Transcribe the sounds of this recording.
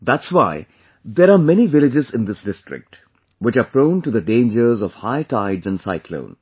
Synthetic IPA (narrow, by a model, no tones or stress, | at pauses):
d̪æʈswaɪ | d̪eːɾaːmɛniʋɪlɪd͡ʒɪzɪ̃nd̪ɪsɖɪsʈɾɪ̰k̚ʈ | wɪt͡ʃaːpɾõʊ̃nʈud̪əɖẽːnd͡ʒəɾzɔʋhaɪʈʰaɪɖzæ̃nɖsa̰ɪkʰlõ̰ʊ̃n